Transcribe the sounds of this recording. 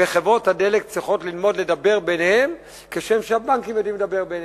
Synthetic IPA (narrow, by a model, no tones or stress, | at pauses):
eχevʁo̞thade̞lekt͡sʁiχo̞tlilmo̞dledabe̞ʁbenhem | keʃemʃeabaŋkimjodimledabe̞ʁben